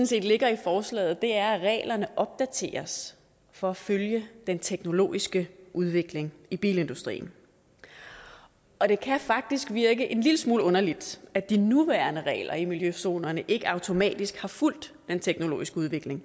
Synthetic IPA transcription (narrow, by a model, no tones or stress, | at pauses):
n̩se̝̰ːd̥le̝ɡ̥ɐifɒːslɛ̰ːð̩ˠd̥e̝æɐæʁɛ̰ːlɐnəʔɒ̽b̥̚d̥æt͡sʰe̝̰ːɐs | fɒ̽æføljəd̥ent͡sʰeɡ̥no̝lo̝̰ːisɡ̥əʔuð̞ˠʋe̝ɡ̥le̝ŋib̥ḭːle̝nd̥usd̥ʁḭːn̩ | ɒ̽ɾ̥e̝kʰæfɑ̈ɡ̥̚d̥isɡ̥ʋiɐɡ̥əʔe̝nliləsmuːlɔ̽nɐlid̥æd̥inuʋæːɐnəʁɛ̰ːlɐimiljøso̝̰ːnɐnəʔe̝ɡ̥əɑ̈ʊt͡sʰo̝mɛ̰ːd̥isɡ̥hɑ̈ful̰d̥ːent͡sʰeɡ̥no̝lo̝̰ːisɡ̥əuð̞ˠʋe̝ɡ̥le̝ŋ